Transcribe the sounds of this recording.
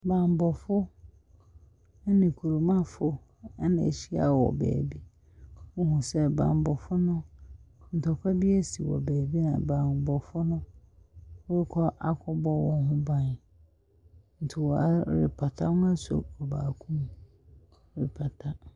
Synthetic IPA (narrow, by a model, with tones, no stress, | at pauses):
bã˨m˨bɔ˨fʊ˦ | nɪ̃˨kʰu˨ɾu˨mã˦fʊ˦ | ɛ˦nɪ̃˨ɕi˦a˨wɔ̰˨bɛ̰ː˨bi˦ | ʊ˦hũ˨sɛ˦bã̰ː˨m˨bɔ˨fʊ˦nʊ̃˦n̩˨tʰɔ˨kʷʰa˦bi˦ɛ˦si˨wɔ̰˨bɛː˨bi˦nã̰˨bãː˨m˨bɔ˨fʊ˦nʊ̃˦ | ɛ˦kʰɔ˦ʔa˦kʷʰɔ˦bɔ˦wɔ̃˨hʊ̃˦bã˨n˨ | n̩˨tʰɪ˨wɔ˨a˦ɾɪ̰˨pʰa˨tʰa˦nʊ̃˦a˦so̰˨ɔ˨ba̰ː˨kʰũ˦m | ɾɪ˨pʰa˨tʰa˦